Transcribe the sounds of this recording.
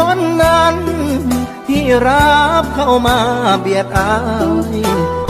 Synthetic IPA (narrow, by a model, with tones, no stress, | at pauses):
ɔ˧˥˨nːa˧˥n | t̪ʰiː˧˩ɾa˦˧˥p̚kʰa˧˩wmaː˧bi˧˩ət̪̚ʔa˧j